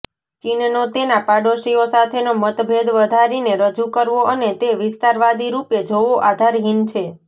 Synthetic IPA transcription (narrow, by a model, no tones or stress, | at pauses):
t͡ʃinnot̪enapaɖoʃiosat̪ʰenomət̪bʱed̪ʋəd̪ʱaɾineɾəd͡ʒukəɾʋoʔənet̪eʋɪst̪aɾʋad̪ʱiɾupjed͡ʒoʋoʔad̪ʱaɾɦint͡ʃʰe